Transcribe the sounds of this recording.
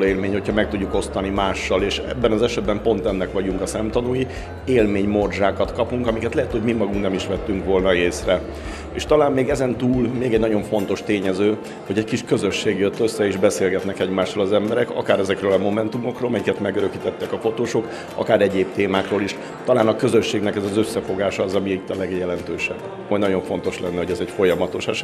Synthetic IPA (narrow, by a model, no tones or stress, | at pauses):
eːlmeːɲho̞cʰhɒmɛk̚t̪uɟːuko̞st̪ɒnimaːʃːɒleːʃɛ̰bːɛnɒzɛʃɛd̪̚bɛmpo̞nt̪ɛnːɛkʋɒɟuŋkɒsɛmt̪ɒnuji | eːlmeːɲmo̞rʒaːkɒt̪kɒpuŋkɒmikɛt̪lɛɦɛt̪ho̞ɟmimɒɡuŋknɛmiʃʋɛt̪ːyŋkʋo̞lnɒeːsrɛ | ḛːʃt̪ɒlaːmːeːɡɛzɛnt̪uːlmeːɡɛɟnɒɟo̞ɱfo̞nt̪o̞ʃt̪eːɲɛzøː | ho̞ɟɛckiʃkø̞zøʃːeːɡjøt̪ːø̞sːɛeːʒbɛseːlɡɛt̪nɛkɛɟmaːʃrolɒzɛmbɛɾɛkɒ̰kaːɾɛzɛkrøːlɒmo̞mɛnt̪umo̞kroːlmɛjikɛt̪mɛɡøɾøkit̪ɛt̪ːɛkɒfo̞t̪oːʃo̞k | ɒ̰kaːɾɛɟeːp̚t̪eːmaːkroːliʃ | t̪ɒlaːnɒkø̞zøʃːeːɡnɛkɛzɒzøsːɛfo̞ɡaːʃɒːzɒmiit̪ːɒlɛɡjɛlɛnt̪øːʃɛ̰bː | ojnɒɟo̞ɱfo̞nt̪o̞ʃlɛnːɛɦo̞ɟɛzɛcfo̞jɒmɒt̪o̞ʃɛʃ